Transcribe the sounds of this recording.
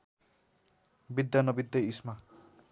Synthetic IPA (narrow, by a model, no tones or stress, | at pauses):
bid̪janʌbid̪ʱjʌisma